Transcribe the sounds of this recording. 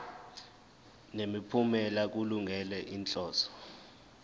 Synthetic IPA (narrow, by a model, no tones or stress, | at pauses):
nemipʰumɛlak̬uluŋɡʱɛlɛʔint͡ɬʼɔːsɔ̥